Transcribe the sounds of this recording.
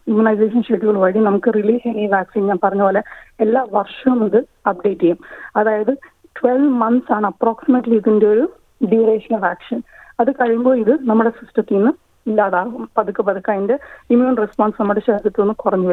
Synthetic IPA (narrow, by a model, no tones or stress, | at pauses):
imːunɐjseːʂɐnʂeʈːiɣɐɭʋɐɻinɐmukːɨriliːseniːʋaːksiːnɲaːnpɐrɐɲːɐoːleelːaːʋɐrʂɐumiðɨɐp̚ɖe̞ːtːijumɐðaːjɐðɨ | ʈʋelʋmɐnsaːɳɨɐproːksimɐʈːliːðindeo̞ɾu | ɖiɾeːʂɐnɐʋaːksiːnɐðɨkɐɻmboːiðɨnɐmːuɽe̞sistɐt̪ːijnːɨ | ilːaːðaːɣumpɐðukːɨpɐðukːaːjindeimuːnrespoːnsnɐmːuɽeɕeːd̪ʱjɐt̪ːuonːɨkurɐɲːuʋɐ